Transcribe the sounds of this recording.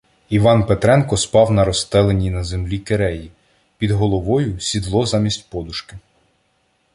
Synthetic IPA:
iʋɑnpet̪ɾɛnkɔspɑwnɐɾɔst̪ɛlˠenʲinɐzemlʲikeɾɛji | pʲid̪ɦɔlˠɔʋɔjʊsʲid̪lˠɔzɑmʲisʲtʲpɔd̪ʊʃkɪ

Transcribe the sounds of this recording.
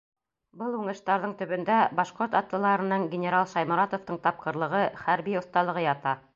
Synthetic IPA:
bɤlˠʉɴɤ̆ʃt̪ɑɾðɤɴt̪ɵ̆βɵ̆nd̪æbɑʃqoɾt̪ɑt̪lˠɤ̆lˠɑɾɤ̆nɤɴɡʲɪnʲeɾalˠʃɑjmɤ̆ɾɑt̪ŏft̪ɤɴt̪ɑp̚qɤ̆ɾlˠɤ̆ʁɤχæɾbiŏθt̪ɑlˠɤ̆ʁɤjɑt̪ɑ

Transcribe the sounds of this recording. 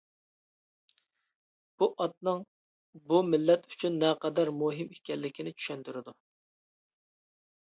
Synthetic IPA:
b̥uʔɑt̪̚nɨŋ | bumɪlːɛt̪y̥t͡ʃʰynːɛqɑd̪ɛɾmuɦimekʲɛlːɪkʲʰinɪt͡ʃʰy̥ʃɛnt̪yɾɪd̪u

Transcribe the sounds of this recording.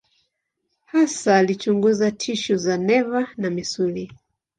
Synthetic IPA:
hasaːlit͡ʃuŋɡuzatʰiʃuzanɛvanamisuli

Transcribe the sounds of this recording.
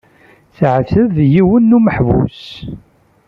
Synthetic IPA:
θʕθəðjiwənːuməħvṵs

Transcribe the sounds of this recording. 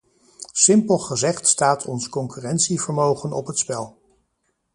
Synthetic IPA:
sɪmpəlˠχəzɛχtstaːtʰɔnskɔŋkyrɛntsivəɹmowχənɔpɦətspɛlˠ

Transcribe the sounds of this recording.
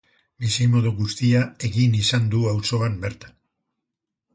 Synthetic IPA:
bisimo̞ðuɣust̪iae̞ɣinisand̪uawso̞ambe̞ɾt̪ḁ

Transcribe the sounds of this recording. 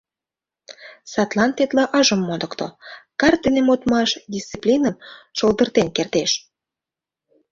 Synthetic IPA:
sɑt̪lɑnt̪et̪lɑʔɑʒə̆mːod̪ə̆kt̪o̰kɑrt̪̚d̪ənemot̪mɑʃd̪ʲist͡siplʲinəmʃold̪ərt̪enkert̪eʃ

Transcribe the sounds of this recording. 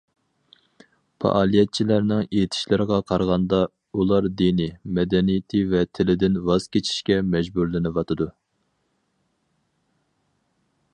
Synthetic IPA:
pʰɑ̰ʔɑːlˠijɛt̪̚t͡ʃʰilæɾnɪŋet̪ʰɪ̥ʃlɪɾəʁɑqʰɑɾʁɑnd̪ɑ | ulˠɑɾd̪inɪmɛd̪ɛnijɪt̪ʰɪvɛt̪ʰɪlɪd̪ɪnvɑz̥kʲet͡ʃʰi̥ʃkʲɛmɛd͡ʒbuɾlɪnɨvɑt̪ʰɨd̪u

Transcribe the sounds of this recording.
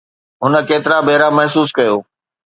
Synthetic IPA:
ɦʊnə̆keːt̪ɪɾabɐɦɾamɐɦsuːs̬kɐjoː

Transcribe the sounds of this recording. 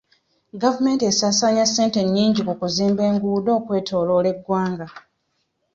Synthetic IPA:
ɡavume̞ːntesaːsaːɲase̞ːnte̞ɲːiːɲɟikukuziːmbe̞ːŋɡuːdo̞ːkwe̞ːtʰo̞ːlo̞ːle̞ɡːwaːŋɡa

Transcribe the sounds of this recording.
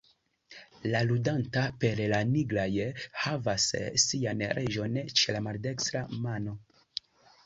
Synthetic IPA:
laludantape̞ɾlaniɡlajhavasːianɾʔe̞d͡ʒo̞nt͡ʃe̞lamalde̞kstɾamano̞

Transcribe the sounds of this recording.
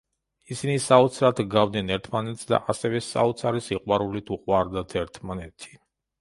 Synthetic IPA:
isinisaɔt̪sʰɾat̪ʰɡavd̪nɛnɛɾt̪ʰmanɛt̪sd̪a̰ʔasɛvɛsa̰ɔt̪sʰaɾisiqʼwaɾulit̪ʰuqʼwaɾd̪at̪ʰɛɾt̪ʰmanɛt̪ʰi̥

